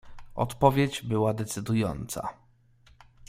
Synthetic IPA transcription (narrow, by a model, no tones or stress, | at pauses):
ɔ̰t̪pɔvʲjed͡ʑbɘwad̪ɛt̪sɘd̪ujɔ̰nt̪sa̰